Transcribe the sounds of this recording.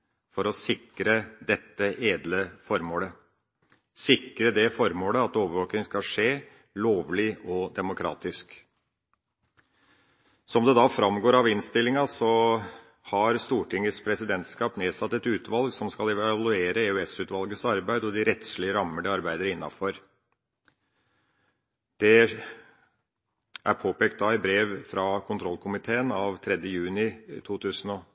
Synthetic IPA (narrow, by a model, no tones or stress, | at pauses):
fɔɾɔsɪkːɾəd̪ɛt̪ːəʔeːd̪ləfɔɾmoːlə | sɪkːɾəd̪ɛfɔɾmoːləɑt̪oːʋəɾʋoːk̪ɪŋskɑʂeː | loːʋlɪɔd̪ɛmʊkʰɾɑ̰ːt̪ɪsk | sɔmd̪ɛd̪ɑfɾɑmɡoːɾɑʋɪnst̪ɪlːɪŋɑsɔ | hɑɾst̪uːʈʰɪŋːəspʰɾɛsɪd̪ɛnt̪skɑːpneːsɑt̪ːɛt̪ʉːt̪ʰʋɑlɡsɔmskɑlɛʋʋɑlʉeːɾəeœɛsʉːt̪ʋɑlɡəsɑɾbæɪd̪ɔd̪ɪɾɛt̪sɭɪəɾɑmːəɖəɑɾbæɪd̪əɾəɪnːɑ̰fɔɾ | d̪̥ɛ | ʔæɾpʰoːpeːkt̪̚d̪ɑːɪbɾeːʋfɾɑkʰʊnt̪ʰɾɔlːkʰʊmɪt̪ʰeːənɑʋt̪ʰɾɛd̪jəjʉːnɪt̪ʰuːt̪ʰʉːsənɔ